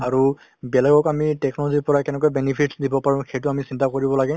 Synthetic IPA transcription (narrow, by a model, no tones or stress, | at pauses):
aɹu | bɛlɛɡɔkamitɛknɔlɔziɹpɔɹakɛnɛk̬ɔɛjbɛnipʰitsdibɔpaɹʊ̃xejtʊamisintakoɹibɔlaɡɛ